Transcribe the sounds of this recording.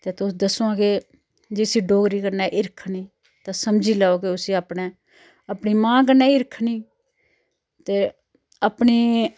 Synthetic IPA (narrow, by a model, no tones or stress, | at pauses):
t̪eːt̪ʊd̪əsoãːɡeː | d͡ʒeːsiːɖoːɡɾiːkəɾnaːʔɪɾkʰniː | t̪ãːsəmd͡ʒiːlaːoːkeʊsiːapɳeː | əpniːmãːk̬əɾnaːɪɾkʰniː | t̪eː | əpniː